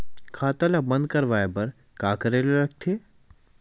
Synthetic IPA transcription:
kʰaːt̪alabɐ̃nd̪kɐɾʋaːepɐɾ | kaːkɐɾeleɾɐk̚t̪ʰeː

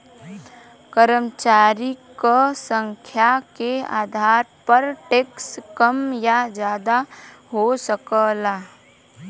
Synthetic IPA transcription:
kəɾəmt͡ʃaːɾikəsə̃ŋkʰjakea̰ːd̪ʱaːɾpəɾʈeːkskəmjad͡ʒjaːd̪a | ɦosəkəlaː

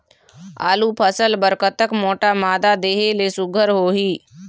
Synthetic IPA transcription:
a̰ːluːpʰəsəlbəɾkət̪əkmoːʈamaːd̪ad̪eːɦeleːsʊɡʱəɾɦoːɦiː

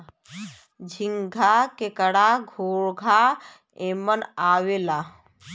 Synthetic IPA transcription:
d͡ʒʱiŋɡʱakekəɽaɡʱoːɽɡʱa | eːmənaːwelaː

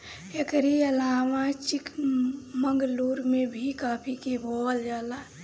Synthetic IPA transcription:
ekɾiəlaːmãt͡ʃikməŋɡluːɾmẽbʱikaːpʰikebold͡ʒaːla

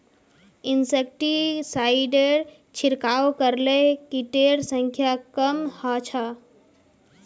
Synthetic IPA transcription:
insek̚ʈisaɪɖeɾ | t͡ʃʰiɾkaːokəɾlekiʈeɾsə̃ŋkʰjakəmhat͡ʃʰa

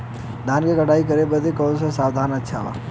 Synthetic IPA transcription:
d̪ʱankekəʈaːikəɾebəd̪ekɔlsãsaːwd̪ʱanətːʃʰaʋa̰

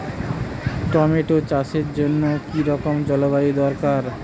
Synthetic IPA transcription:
ʈɔmeʈot͡ɕaʃeɾd͡ʑonːokiɾɔkomd͡ʑɔlobaid̪ɔɾkaɾ

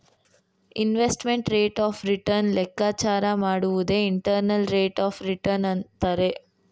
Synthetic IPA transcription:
inʋesʈmeɳʈɾeːʈaːpʰɾiʈɐɾnlɛkːaːt͡ʃaːɾɐmaːɽuʋud̪e̞ːiɳʈɐɾnɐlɾeːʈaːfɾiʈɐɾnɐnt̪aːɾe̞

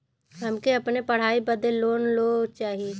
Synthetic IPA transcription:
ɦɐmkeɐpnepɐɽ̤aːibɐd̪əllːoːnlot͡ʃaːɦije

